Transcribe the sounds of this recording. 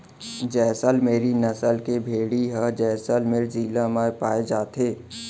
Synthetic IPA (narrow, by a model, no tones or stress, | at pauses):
d͡ʒɛːsəlmeːɾinəsəlkebʱeːɽiɦəd͡ʒɛːsəlmeːɾziːlãmaːepaːed͡ʒaːt̪ʰeː